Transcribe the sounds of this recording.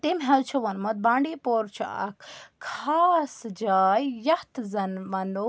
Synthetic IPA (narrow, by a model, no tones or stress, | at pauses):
t̪emɦɐlt͡ʃʰɐʋɐnmɐt̪̚baːɳɖeːpoːɾt͡ʃʰa̰kʰkʰaːsd͡ʒaːjjɐht̪zɐnmɐno